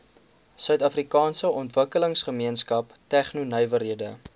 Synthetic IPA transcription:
sœɥtɐfrikɑːnsəɔntvəkələŋsχəmiənskɐp | tæχnunœɥvəɾiədə

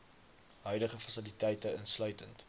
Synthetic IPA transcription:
ɦœɥdəχəfɐsilitɛjtəənslœɥtənt

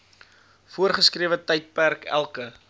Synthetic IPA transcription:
fuərχəskriəvətɐjt̚pærkʰæ̰lˠkə

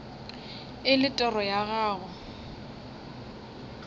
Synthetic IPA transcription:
ɪlɪtʼɛrɔjaɣaːɣʊ

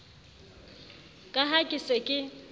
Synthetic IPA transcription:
kʼaɦakʼisekʼɪ

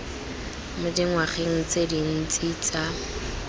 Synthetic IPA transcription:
mʊdɪŋwaχeŋ̩t͡sedin̩t͡sʼit͡sa

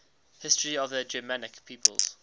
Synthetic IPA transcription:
hɪstɹiɔvðəd͡ʒəmanɪkpʰiːpʰə̰lˠz̥

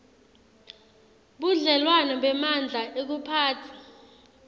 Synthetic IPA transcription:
ɓuɮɛlwanɔɓɛmand͡ɮʱaʔek̬upʰaːtʰi̥

